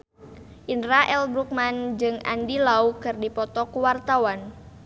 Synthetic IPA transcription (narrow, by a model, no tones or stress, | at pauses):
ʔinɾaʔɛlbɾuk̚mand͡ʒɨŋa̰ndilaukɨrdipɔt̪ɔkuwart̪awan